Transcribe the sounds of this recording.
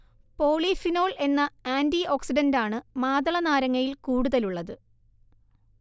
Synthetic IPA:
po̞ːɭifino̞ːɭe̞nːɐaːndioːksiɖɐndaːɳɨmaːðɐɭɐnaːɾɐŋːɐjilkuːɽuðɐluɭːɐðɨ

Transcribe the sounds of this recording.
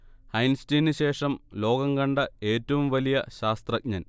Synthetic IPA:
hɐjnstɐjnɨɕe̞ːʂɐmlo̞ːɡɐŋkɐɳɖɐeːtːɐʋumʋɐlijɐɕaːst̪rɐk̚ɲɐn

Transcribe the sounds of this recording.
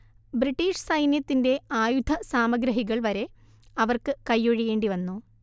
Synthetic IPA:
briʈːiːʂsɐjnjɐt̪ːinde̞aːjud̪ʱɐsaːmɐɡɾɐɦiɣɐɭʋɐɾe̞ | ɐʋɐrkɨkɐjːoɻiɣe̞ːɳɖiʋɐnːu

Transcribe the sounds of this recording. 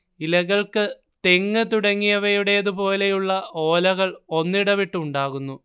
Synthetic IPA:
ilɐɣɐɭkɨ | t̪e̞ŋːɨt̪uɽɐŋːijɐʋɐjuɽe̞jɐðupo̞ːle̞juɭːɐo̞ːlɐɣɐɭo̞nːiɽɐʋiʈːuuɳɖaːɣunːu

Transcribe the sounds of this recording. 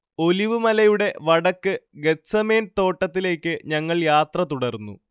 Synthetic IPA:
o̞liʋɨmɐlɐjuɽe̞ʋɐɽɐkːɨɡe̞t̪sɐme̞ːnt̪o̞ːʈːɐt̪ːile̞ːkʲːɨɲɐŋːɐɭjaːt̪rɐt̪uɽɐrnːṵ

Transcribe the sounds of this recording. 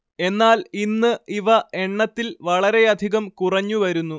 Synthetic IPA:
e̞nːaːlinːɨiʋɐe̞ɳːɐt̪ːilʋɐɭɐɾe̞ɐd̪ʱiɣɐmkurɐɲːuʋɐɾunːu

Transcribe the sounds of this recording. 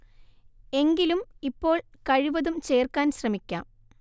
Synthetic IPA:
e̞ŋɡilumipːo̞ːɭkɐɻiʋɐðumt͡ɕe̞ːrkaːnɕrɐmikʲːa̰ːm

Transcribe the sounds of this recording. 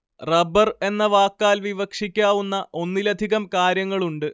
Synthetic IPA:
rɐbɐre̞nːɐʋaːkːaːlʋiʋɐkʂikʲːaːʋunːɐʔo̞nːilɐd̪ʱiɣɐmkaːɾjɐŋːɐɭuɳɖɨ

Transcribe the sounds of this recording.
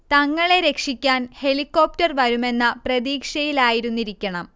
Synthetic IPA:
t̪ɐŋːɐɭe̞ɾe̞kʂikʲːaːnhe̞likːo̞ːp̚tɐrʋɐɾume̞nːɐprɐd̪iːkʂɐjilaːjiɾunːiɾikʲːɐɳɐm

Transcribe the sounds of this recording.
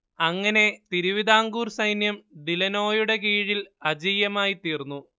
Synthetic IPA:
ɐŋːɐne̞t̪iɾuʋid̪aːŋɡuːrsɐjnjɐmɖilɐno̞ːjuɽe̞kiːɻilɐd͡ʑiːjɐmaːjit̪iːrnːu

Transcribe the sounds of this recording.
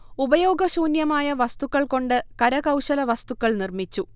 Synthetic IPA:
ubɐjo̞ːɡɐɕuːnjɐmaːjɐʋɐst̪ukːɐɭko̞ɳɖɨkɐɾɐɣɐwɕɐlɐʋɐst̪ukːɐɭnirmit͡ɕːu

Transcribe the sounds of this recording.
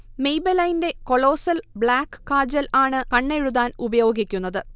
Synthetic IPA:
me̞jbɐlɐjnde̞ko̞ɭo̞ːsɐlbɭaːkːɨ̥ːaːd͡ʑɐlaːɳɨkɐɳːe̞ɻuðaːnubɐjo̞ːɡikʲːunːɐðɨ

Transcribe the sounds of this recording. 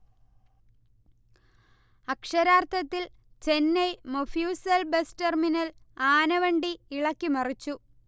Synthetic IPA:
ɐkʂɐɾaːrt̪ʰɐt̪ːil | t͡ɕe̞nːejmofjuːsɐlbesterminɐlaːnɐʋɐɳɖiːɭɐkːimɐrit͡ɕːu

